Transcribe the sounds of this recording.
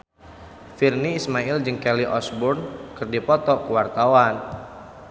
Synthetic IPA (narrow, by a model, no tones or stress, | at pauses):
firniːsmaild͡ʒɨŋkɛliʔɔsbʊrnkɨrdipɔt̪ɔkuwart̪awan